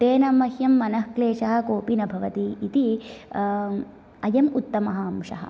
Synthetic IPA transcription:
t̪eːnɐmɐhjɐmːɐnɐhkleːʃɐɦɐ̆koːpinɐbʱɐʋɐt̪iːt̪i | ɐjɐmut̪ːɐmɐɦɐːmʂɐ̰ɦɐ̰̆

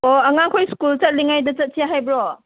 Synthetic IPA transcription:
oɐŋaŋkʰojskult͡ʃɐt̚liŋajdɐt͡ʃɐt̚sʰijaɦajbɾɔ

